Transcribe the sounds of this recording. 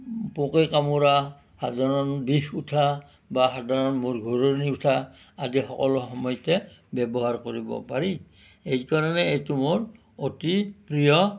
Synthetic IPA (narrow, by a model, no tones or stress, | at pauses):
pokekamuɹa | hadʱaɹɔnbixutʰa | baxadʱaɹɔnmoɹɡʱoɹoniutʰa | adixɔkɔlɔxɔmɔjɔtɛbɛbɔɦaɹkoɹibɔ̰paɹi | ejkaɹɔnɛejtumoɹ | otipɹijɔ